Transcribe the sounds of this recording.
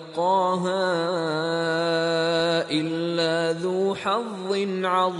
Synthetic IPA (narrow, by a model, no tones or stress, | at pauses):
qɑːɦaː | ʔɪlːaːðuːħɑðˤːɨnʕɑðˤ